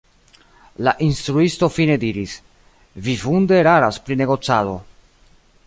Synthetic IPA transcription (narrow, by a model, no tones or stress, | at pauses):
laʔinst̪ɾuisto̞fine̞diɾis | vifunde̞ɾaɾaspɾine̞ɡo̞t͡sado̞